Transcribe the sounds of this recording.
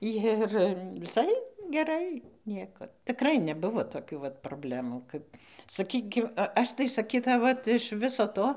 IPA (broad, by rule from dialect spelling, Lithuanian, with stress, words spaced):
ˈjɪr ʋʲɪˈsɐɪ ɡʲɛˈrɐɪ ˈnʲiɛkɐt tʲɪˈkrɐɪ nʲɛˈbʊʋoː toːˈkʲuː ʋɐt proːˈbʲlʲæːmuː ˈkɐp sɐˈkʲiːkʲɪm ˈɐʃ tɐɪ sɐˈkʲiːtɐʊ ˈʋɐt ɪʃ ˈʋʲɪsoː ˈtoː